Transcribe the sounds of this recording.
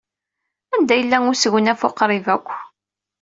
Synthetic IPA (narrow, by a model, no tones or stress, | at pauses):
ænd̪æjəlːæŋʊsʝənæfʊ̰qɾˤɪvækʷː